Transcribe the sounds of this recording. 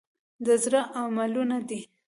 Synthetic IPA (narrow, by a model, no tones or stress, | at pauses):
d̪əzɾəʔamalunad̪i